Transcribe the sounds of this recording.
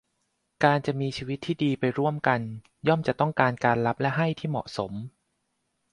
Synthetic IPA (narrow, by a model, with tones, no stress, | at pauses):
kaː˧nt͡ɕa˨˩ʔmiː˧t͡ɕʰiː˧wi˦˥t̪ʰːiː˥˩diː˧pa˧jɾu˥˩əmka˧n | jɔ˥˩mt͡ɕa˨˩t̪ɔ˥˩ŋkaː˧nkaː˧nla˦˥p̚lɛ˦˥ʔɦa˥˩jt̪ʰiː˥˩mɔ̰˨˩ʔso˩˦m